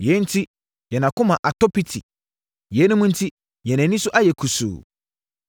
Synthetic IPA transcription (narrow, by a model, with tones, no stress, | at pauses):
jɛ˨˦n̩˦tʰi˦ | jɛ˨nã˨kʊ̃˦mã˨ʔa˨tɔ˦pi˦tʰi˨ | jɛ˨˦nʊ̃˦mʊ̃˦n̩˦tʰi˦ | jɛ̃˨nɛ̃˨nɪ̃˦sʊ˦ʔa˦jɛ˨kʰu˨sṵː˨